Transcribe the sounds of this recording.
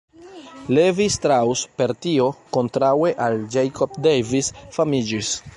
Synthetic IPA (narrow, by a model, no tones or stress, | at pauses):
levistɾawspe̞ɾtio̞ko̞ntɾawe̞ʔald͡ʒejkʰop̚dejvisfamid͡ʒis